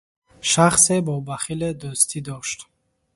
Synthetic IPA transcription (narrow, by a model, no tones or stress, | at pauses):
ʃaχsebɔbaχiled̪ɔst̪ʰid̪ɔʃt̪